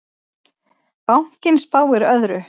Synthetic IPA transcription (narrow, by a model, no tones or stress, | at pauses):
pawhcɪnspaːwɪɾœðɾʏ